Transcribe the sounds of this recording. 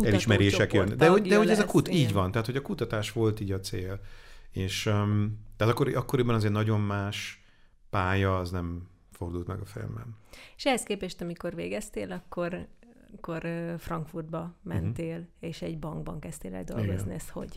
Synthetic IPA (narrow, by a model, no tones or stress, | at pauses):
kuɛliʃmɛɾɾeːʃɛkjønːd̪ɛɦod̪ɛho̞ɟɛzɒkut̪iːɟvɒnt̪aɦːt̪ho̞ɟɒkut̪ɒt̪aːʃʋo̞lt̪iːɟɒt̪seːleːʃ | t̪aːt̪ɒkːoɾiʔɒkːo̞ɾibɒnɒzeːrnɒɟo̞mmaːʃ | paːjɒːznɛm | fo̞rd̪uːlt̪mɛɡɒfḭlmbɛ̰neʃɛhɛskeːpɛʃt̪ɒmiko̞rveːɡɛst̪eːlɒkʰːo̞r | kːorfrɒŋkfurd̪̚bɒmɛ̰nt̪eːleːʃɛɟbɒŋɡ̚bɒ̰ŋkɛst̪eːlɛ̰ld̪o̞̰lɡozniɛst̪ho̞̰ɟ